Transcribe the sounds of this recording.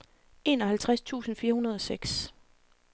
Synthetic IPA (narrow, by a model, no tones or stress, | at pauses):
e̝̰ːnɒ̽ɦælt͡sʰʁast͡sʰṵːsn̩fiːɐhunɐð̞ˠɒ̽seɡ̥s